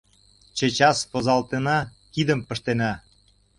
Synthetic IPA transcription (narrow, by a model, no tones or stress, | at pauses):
t͡ɕə̆t͡ɕɑspɤ̆zɑlt̪enɑkid̪ə̆mpə̆ʃt̪enæ